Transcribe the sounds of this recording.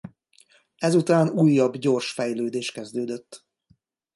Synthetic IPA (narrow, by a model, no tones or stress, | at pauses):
ɛzut̪aːnuːjːɒbɟo̞ːrʃfɛjløːd̪eːʃkɛzd̪øːd̪øt̪ː